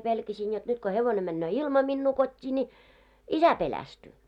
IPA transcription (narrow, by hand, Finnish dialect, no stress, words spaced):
pelkæsin jot nyt ko heʋone mænːøː ilmɑ minːuː kotʲːiː nʲi isæ pelæstyː